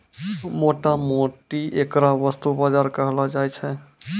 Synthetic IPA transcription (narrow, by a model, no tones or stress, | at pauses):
moʈamoʈiʔekɾaʋəst̪ubad͡ʒaɾkəɦlad͡ʒajt͡ʃʰɛ